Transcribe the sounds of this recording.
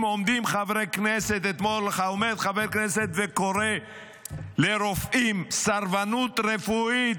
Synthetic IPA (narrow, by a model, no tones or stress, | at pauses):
momd̪imχavʁekneset̪et̪molχaomed̪χavekneset̪veko̞ɾe | leɾofʔimsaɾvanut̪ɾefui